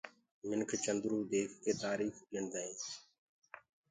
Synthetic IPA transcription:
mɪnkʰt͡ʃənd̪ɾuːd̪eːkʰkeːt̪aːɾiːxiənd̪aːĩː

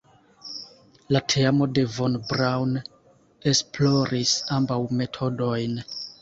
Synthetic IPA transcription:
latʰeamo̞de̞vonbɾawn | e̞splo̞ɾisambawme̞tʰo̞do̞jn

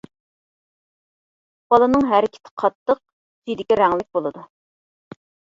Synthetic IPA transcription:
b̥ɑlˠɨnɨŋɦæɾɪkʲʰɪ̥t̪ʰɪ̥qʰɑt̪ʰːəq̚ | sid̪ɪkʲiɾæŋlɪk̚ʲbolˠɨd̪u

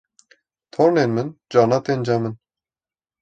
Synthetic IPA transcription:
t̪ʰoɾnenmɨnd͡ʒɑːnɑt̪end͡ʒɑmɨn

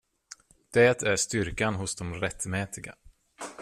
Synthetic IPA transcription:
d̪̥ɛːt̪ʰæʂt̪ʏɾkanɦʊsd̪ɔmɾɛt̪ːmɛːt̪ɪɡa̰

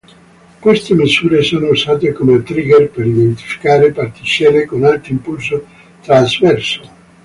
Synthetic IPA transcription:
kwest̪emizuːɾesoːnouzaːt̪ekomet̪ɾiːɡerpeɾid̪ent̪i̥fi̥kaːɾepart̪it͡ʃɛːɾekonalt̪oimpuls̬o | t̪ɾazvɛrso

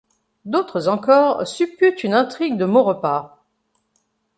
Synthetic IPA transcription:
d̪ot̪χəzɑ̃kɔːʁsypyt̪ynɛ̃t̪χiɡd̪əmoʁəpa

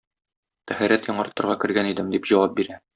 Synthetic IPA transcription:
t̪æhæɾæt̪jɒɴɑɾt̪ɤ̆ɾʁɑkɘ̆ɾɡænid̪ɘmd̪ipʑɒwɑp̚biɾæ

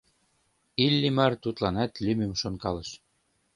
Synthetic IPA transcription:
ilʲːimært̪ut̪lɑnæt̪lʲymɘmʃonkɑlɤ̆ʃ

